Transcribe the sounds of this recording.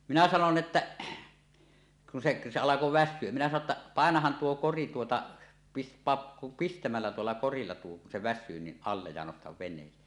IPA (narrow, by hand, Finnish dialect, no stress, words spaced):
minæ sɑnon etːæ kun seʔ se ɑlɑko ʋæsʲsyø minæ sɑno tːɑ pɑˑenɑhɑn tuo kori tuotɑ pis pɑːp pistæmælːæ tuolːɑ korilːɑ tuo kun se ʋæsˑyː ni ɑlːej jɑ nostɑʋ ʋenˑeːsˑe̥ː